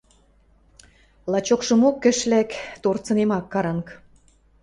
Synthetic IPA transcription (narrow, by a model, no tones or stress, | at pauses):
lɑt͡ɕokʃɤ̆mokːə̆ʃlækt̪ort͡sɤ̆nemɑkːɑɾɑŋk